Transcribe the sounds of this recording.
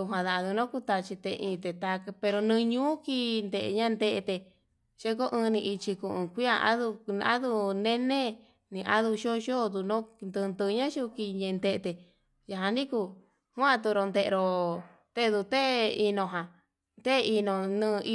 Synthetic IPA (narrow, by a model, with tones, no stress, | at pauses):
u˧ɦã˨ða˧ðu˧nõ˦ku˦t̪a˧t͡ʃi˧t̪e˧ʔĩ˧t̪e˨t̪a˧kpe˧ɾo˧nɨ̃˧ɲũː˦ki˦˧nd̪e˧ʔɲã˦˧nd̪e˧ʔe˧t̪e˧ | ʃe˦ko˦ʔɨ̃ː˧nĩ˧i˧t͡ʃi˧ku˧˨ʔũ˧kʷi˦a˧ʔa̰˦ðu˧a̰˦ðu˧nẽ˦nẽ˦ | nĩ˧ʔa˦ðu˧ʃo˦ʃo˦˨d̪u˧nõ˦nd̪ɨ˧nd̪ɨ˧ɲã˦ʃu˦˧ki˧ɲẽ˧nd̪e˧t̪e˧ | ja˧ɦã˧nĩ˦ku˧ | hʷã˦˧t̪u˧ɾo˧nd̪e˧ʔḛ˧ɾo˧ | t̪e˦˧d̪u˧t̪e˦i˧nõ˧ɦã˨ | t̪e˦˧i˧nõ˧nɨ̃˦˧i˦